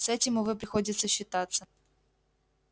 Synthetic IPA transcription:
sɛtʲɪmʊvɨp̬ɾʲɪxo̞dʲɪt̪səɕːɪt̪at̪sːə

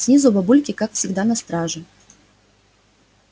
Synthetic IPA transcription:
sʲnʲizʊbabulʲkʲɪkakfsʲɪɡd̪anɐst̪ɾaʐɨ

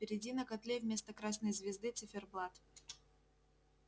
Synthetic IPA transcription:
pʲɪɾʲɪdʲinəkɐt̪lʲevʲmʲest̪əkɾasnəjzvʲɪzd̪ɨt̪sɨfʲɪrblˠat̪

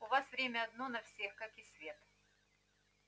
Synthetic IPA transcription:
ʊvasvɾʲemʲəɐd̪̚nonɐfsʲexkakɪsʲvʲet̪

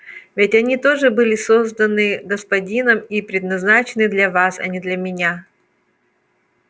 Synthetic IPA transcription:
vʲɪtʲɐnʲit̪o̞ʐɨbɨlʲɪso̞zd̪ənɨɡəspɐdʲinəmipɾʲɪd̪nɐznat͡ɕɪnɨd̪lʲɐvasɐ̰nʲɪd̪lʲɐmʲɪnʲa

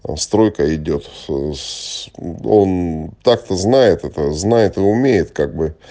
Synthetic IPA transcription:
st̪ɾo̞jkəɪdʲo̞t̪ | o̞nt̪ak̚t̪əznajɪt̪ɛt̪əznajɪt̪ɨʊmʲejɪt̪kaɡ̚bɨ

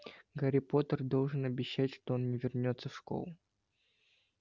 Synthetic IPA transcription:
ɡɐɾʲɪpo̞t̪ərd̪o̞lˠʐɨnɐbʲɪɕːætʲʂt̪oonnʲɪvʲɪrnʲo̞t̪səfʂko̰lˠʊ

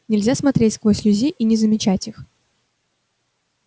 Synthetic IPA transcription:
nʲɪlʲzʲasmɐt̪ɾʲetʲsklˠosʲlʲʉzʲiʔinʲɪzəmʲɪt͡ɕætʲix

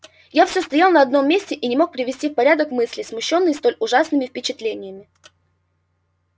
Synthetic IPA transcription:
jafsʲost̪ɐjalˠnəɐɐd̪no̞mʲːesʲtʲɪʔinʲɪmo̞k̚pɾʲɪvʲɪsʲtʲifpɐɾʲad̪əkmɨsʲlʲɪsmʊɕːo̞nːɨjst̪o̞lʲʊʐasnɨmʲɪfpʲɪt͡ɕɪt̪lʲenʲɪjəmʲɪ

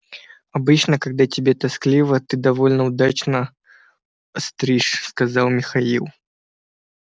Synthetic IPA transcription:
ɐbɨt͡ɕnəkɐɡ̚d̪atʲɪbʲet̪ɐsklʲivət̪ɨd̪ɐvolʲnəʊd̪at͡ɕnə | st̪ɾʲiʂskɐzɑlˠmʲɪxɐilˠ

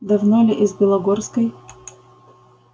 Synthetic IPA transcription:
d̪ɐvnolʲɪʔizbʲɪlˠɐɡorskəj

